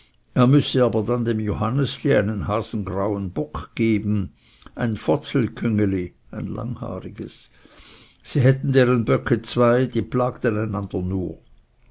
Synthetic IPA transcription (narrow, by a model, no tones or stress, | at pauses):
eːɐmʏsəaːbɐdandeːmjohanəsliːaɪnənhaːz̥n̩ɡʁaʊənbɔkɡ̥eːbn̩ | ʔaɪnfɔt͡sl̩kʰʏŋəli | aɪnla̰ŋha̰ːʁɪɡəs | siːɦɛtn̩deːʁənbœkʰət͡sv̥aɪd̥iːplaːkt̪ənaɪnand̥ɐnuːɐ